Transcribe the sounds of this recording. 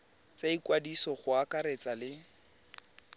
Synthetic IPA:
t͡saikʼwadisɔχʊakaɾet͡salɪ

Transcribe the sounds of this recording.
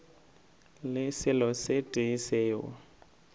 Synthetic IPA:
lɪsɪlɔsetʼɪiseːwɔ̰

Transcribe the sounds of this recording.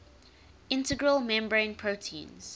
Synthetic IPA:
ɪ̃ntəɡɹəlmɛ̃mbəɹẽɪ̃npʰɹoʊtʰḭ̃ːnz̥

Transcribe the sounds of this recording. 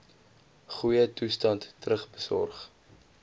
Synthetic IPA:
χujətustɐntːrəχbəsɔ̰rχ

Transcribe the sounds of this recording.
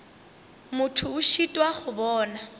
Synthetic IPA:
mʊtʰʊʊʃitʼwaχʊbɔːna

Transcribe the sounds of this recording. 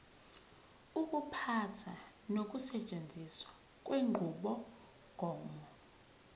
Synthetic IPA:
uk̬ʼupʰatʰa | nok̬ʼusɛt͡ʃʼend͡zʱiswa | k̬ʼwʔeŋ͡ǃʱuɓɔ | ɡ̥ʱɔːmɔ

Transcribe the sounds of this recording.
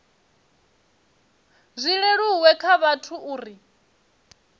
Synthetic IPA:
zʷiɺɛɺuwɛkʰaβatʰuʔuːɾi

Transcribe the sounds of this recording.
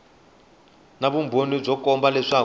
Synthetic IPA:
naβumbʱonib͡ʐɔkʼɔmbalɛʂa

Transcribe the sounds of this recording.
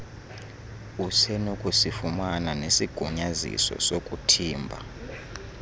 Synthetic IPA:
usɛnukʼusifumananesiɡ̥ʱuɲazḭsɔ̰sokʼutʰiːmbʱa̰

